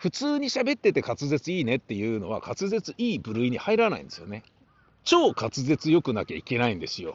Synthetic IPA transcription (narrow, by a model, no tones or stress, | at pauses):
ɸɯ̟t͡sɨːɲ̟iɕabe̞t̪ːe̞t̪e̞kat͡sɨze̞t͡sɨiːne̞t̪ːe̞jɯ̟ːno̞̰β̞a̰kʰat͡sɨze̞t͡sɨʔiːbɯ̟ɾɯ̟iɲ̟ihaiɾana̰ḭ̃nd̪esɨjone | t͡ɕo̞ːkat͡sɨze̞t͡sɨjo̞kɯ̟nakʲaike̞naĩnd̪e̞sɨjo̞̰